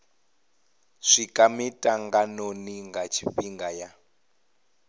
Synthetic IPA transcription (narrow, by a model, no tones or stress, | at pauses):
ʂikʼamitʼaŋɡanoniŋɡat͡ʃʰiɸiŋɡaja